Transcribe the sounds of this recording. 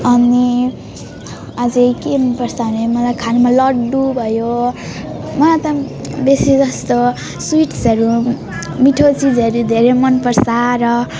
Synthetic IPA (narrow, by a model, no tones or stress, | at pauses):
ʌni | ad͡zekempʌrsaunemʌlajkʰanmalʌɖubʱʌjo | mʌlat̪ʌ | besid͡zʌst̪o | swiʈsʌɾu | miʈʰot͡sid͡zʌɾud̪ʱeɾemʌnpʌrsaɾʌ